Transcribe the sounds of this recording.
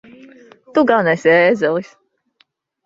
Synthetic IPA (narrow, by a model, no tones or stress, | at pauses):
t̪uɡanɛsiɛːzɛlˠis